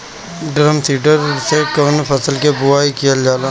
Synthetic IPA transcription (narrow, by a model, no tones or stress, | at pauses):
ɖɾəmsiːʈəɾsekənpʰəsəlkebʊaːikijəld͡ʒaːlaː